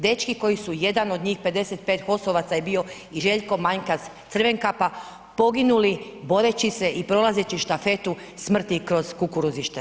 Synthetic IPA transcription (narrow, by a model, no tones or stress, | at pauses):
d̪et͡ʃkiko̞jisuje̞d̪ano̞d̪ɲiːxpe̞d̪e̞set̪̚pe̞ːt̪xo̞soʋat̪saje̞bio̞ | iʒe̞ʎko̞maɲkast̪sr̩ʋe̞ŋkapa | po̞ɡinulibo̞ɾe̞t͡ɕise̞ʔipɾo̞lˠaze̞t͡ɕiʃt̪afe̞t̪u | smr̩t̪ikɾo̞z̥kukuɾuziʃt̪e